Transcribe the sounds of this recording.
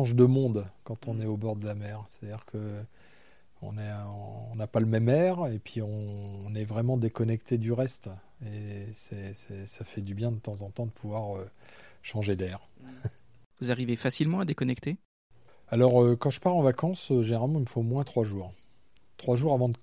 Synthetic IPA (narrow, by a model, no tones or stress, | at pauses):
ɑ̃ʒd̪əmɔ̃d̪kɑ̃t̪ɔ̃nɛobɔʁd̪əlamɛːʁse̥t̪ad̪iʁkʰə | ɔ̰̃nɛɑ̃ːnapaləmɛmɛʁepɥiɔ̃nɛvʁɛmɑ̃d̪ekɔnɛkt̪ʰed̪yʁɛst̪ | esɛsɛsafɛd̪ybjɛ̃d̪ət̪ɑ̃zɑ̃t̪ɑ̃d̪əpʰuvwaʁøʃɑ̃ʒed̪ɛːʁ | vuzaʁivefasilmɑ̃ad̪ekɔnɛkt̪e | alɔʁøkɑ̃ʒəpaʁɑ̃vakɑ̃søʒeneʁalmɑ̃ilmfomwɛ̃t̪χwaʒuːʁ | t̪χwaʒuʁavɑ̃d̪ə